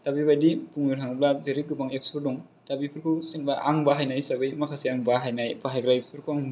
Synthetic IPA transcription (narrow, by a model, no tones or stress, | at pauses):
tabibajdipuŋniɾɦʰaŋblazeɾiɡɯbaŋekspɯɾdɔŋ | tabipʰɯɾkʰusinbaʔaŋbaɦajnajsabɯjmakʰasiaŋbaɦajnajbaɦajɡɾajspʰɯɾkʰuaŋ